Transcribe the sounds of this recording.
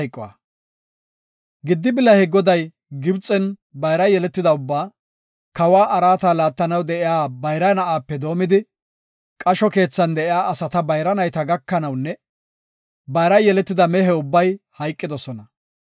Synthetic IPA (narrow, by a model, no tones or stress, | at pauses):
jkʼːɔwɐ̰ | ɡɪd̪ːɪbɪlːɐhɛɡɔd̪ɐj | ɡɪbt͡sʼɛnbɐjɾɐjɛlɛt̪ːɪd̪ɐʊbːaː | kɐwaːʔɐɾaːt̪aːlaːt̪ːɐnɐwd̪ɛʔɪjaːbɐjɾɐjnɐʔaːpːɛd̪o̞ːmɪd̪ɪ | kʼɐʃɔke̞ːt͡sːɐnd̪ɛʔɪjaːʔɐsɐt̪ɐbɐjɾɐnɐjt̪ɐɡɐkːɐnɐwnːɛ | bɐjɾɐjjɛlɛt̪ːɪd̪ɐmɛɦɛʊbːɐjhɐjkʼːɪd̪ɔsɔnɐ